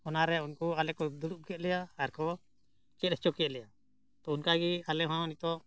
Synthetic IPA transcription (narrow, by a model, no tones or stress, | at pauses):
ɔnaɾɛunkɔalɛkɔd̪uɽuʔ̚kɛt̪̚lɛjaaɾkɔ | t͡ʃɛɛt͡ʃɔkɛt̪lɛja | t̪ɔunkaɡialɛɦãnit̪ɔ